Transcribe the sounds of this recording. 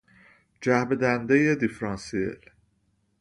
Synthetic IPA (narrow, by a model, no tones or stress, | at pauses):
d͡ʒæhbed̪ænd̪ejed̪ifɾɑnsiḛl